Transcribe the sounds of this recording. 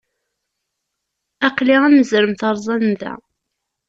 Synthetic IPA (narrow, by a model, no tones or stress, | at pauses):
æqliʁænəzɾəmθəɾˤzˤɑnðæ̰